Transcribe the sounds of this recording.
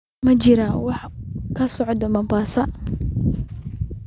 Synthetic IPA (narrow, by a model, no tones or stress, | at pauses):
mɐt͡ʃɪɾɐwɑħkʰɐsɔʕd̪ɔmɐmbaːsɐ